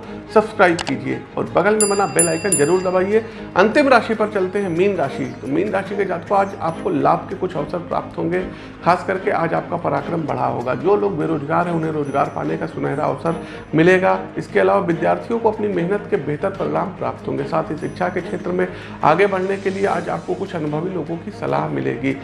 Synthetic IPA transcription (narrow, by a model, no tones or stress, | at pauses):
sɐbskɾaːɪbkiːd͡ʒiḛɔ̰ːɾbɐɡəlmẽbɐnabeːlaːɪkənd͡ʒɐɾuːɾd̪ɐbaːie | ɐ̰̃nt̪ɪmɾaːʃipɐɾt͡ʃɐlt̪eɦɛ̃miːnɾaːʃḭt̪omiːnɾaːʃiked͡ʒaːt̪koaːd͡ʒa̰ːp̚kolaːb̚ʱkekʊt͡ʃʰɐʋsəɾpɾa̰ːp̚t̪ɦõːŋɡe | xaːskɐɾkeʔaːd͡ʒaːp̚kapɐɾaːkɾəmbɐ̰ɽ̤a̰ɦo̰ːɡa̰d͡ʒoːloːɡbeːɾoːd͡ʒɡaːɾɦɛ̃ʊnɦẽɾoːzɡa̰ːɾpa̰ːnekasʊnəɦɾaɐ̰ʋsəɾ | mɪleːɡaːɪskeɐlaːʋaʋɪd̪jaːɾt̪ʰijõkoɐpnimɛɦnət̪kebeːɦt̪əɾpəɾeɽaːmpɾa̰ːp̚t̪ɦõ̰ːŋɡesaːt̪ʰɦiʃɪkʃʰakekʃʰeːt̪ɾəmẽ | a̰ːɡebɐɽ̤nekeliea̰ːd͡ʒa̰ːp̚kokʊt͡ʃʰɐnʊbʱəʋiloːɡõkisɐ̰la̰ːɦmɪ̰lḛːɡiː